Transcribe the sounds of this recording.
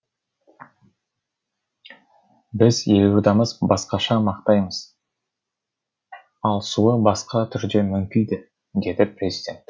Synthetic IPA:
bɪzelud̪ɑməzbɑsqɑʃɑmɑqt̪ɑjməz̥ | ɑlˠsuəbɑsqɑt̪ʰʏɾd̪e̞mʏmkʲijd̪ɪ | d̪e̞d̪ɪprʲe̞zʲɪdʲe̞nt̪

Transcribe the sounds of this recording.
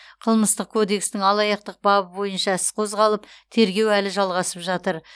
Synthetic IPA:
qʰəlˠməst̪əq̚kʰo̞d̪e̞kst̪ɪŋɑlˠɑjɑqt̪əq̚bɑbəbo̞jənʃɑsqʰo̞zʁɑlˠəpt̪ʰe̞ɾɡʲe̞wælɪʒɑlˠʁɑsəpʒɑt̪əɾ

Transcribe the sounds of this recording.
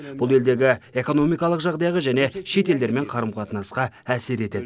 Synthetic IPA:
b̥ʊlˠe̞ld̪e̞ɡʲɪe̞ko̞no̞mijkɑlˠəqʒɑʁd̪ɑjʁəʒæne̞ʃe̞t̪e̞ld̪e̞ɾme̞ɴqʰɑɾəmqʰɑt̪ənɑsqɑ | æse̞ɾe̞t̪e̞d̪

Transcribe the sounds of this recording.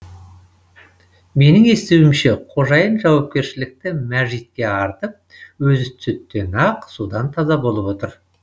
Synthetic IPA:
me̞nɪŋe̞st̪ewɪmʃeqʰo̞ʒɑjənʒɑwɑp̚kʲe̞ɾʃɪlɪk̚t̪ɪmæʒit̪̚kʲe̞ɑɾt̪əp̚ | wɵzɪt̪ʰʏt̪ːe̞nɑqsud̪ɑnt̪ʰɑzɑbo̞lˠəpwo̞t̪əɾ

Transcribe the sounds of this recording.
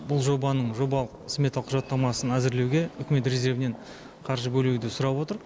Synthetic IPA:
bʊlˠʒo̞bɑnəɴʒo̞bɑlˠəqsme̞t̪ɑlˠqʰːʊʒɑt̪ːɑmɑsənæzɪɾle̞wɡʲe̞ʏkʲme̞t̪ɾe̞ze̞ɾvɪne̞ɴ | qʰɑɾʒəbɵlud̪ɪsʊɾɑpwo̞t̪əɾ

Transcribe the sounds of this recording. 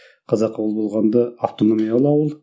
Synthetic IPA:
qʰɑzɑqʰːɑwəlˠbo̞lˠʁɑnd̪ɑaft̪o̞no̞mʲijɑlˠɑwəlˠ

